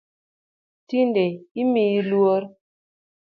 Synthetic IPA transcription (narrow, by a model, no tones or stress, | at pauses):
tindeimilwoɾ